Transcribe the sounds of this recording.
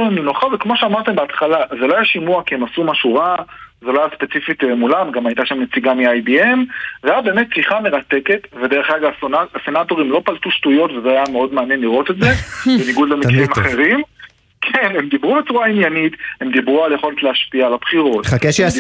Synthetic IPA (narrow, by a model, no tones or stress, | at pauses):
minuχavekmo̞ʃeamaʁt̪embeat̪χalazelo̞ajaʃimuakiemasumaʃuʁazeloajaspet͡sifit̪emulamɡamajtaʃamnet͡siɡamiajbiemveajabe̞ːmet̚t͡siχame̞ʁat̪eke̞t̪ved̪eʁeχaɡaasenato̞ʁimlo̞palt̪uʃtujo̞tvezeajameo̞d̪meanjenliʁo̞t̪e̞tzebeniɡud̪lemikʁeimaχe̞ʁim | kʰene̞md̪ibʁubet͡suʁainjanit̪he̞md̪ibʁualjeχo̞letleaʃpiaːlabχiʁo̞tχakeʃ